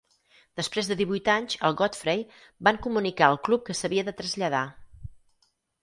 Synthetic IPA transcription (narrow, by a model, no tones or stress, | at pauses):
d̪̥əspɾezðəðiβujt̪aɲʲzə̰lˠɣɔt̪fɾej | baŋkumunikaəlˠklup̚kəsəβiəðət̪ɾəzʎəða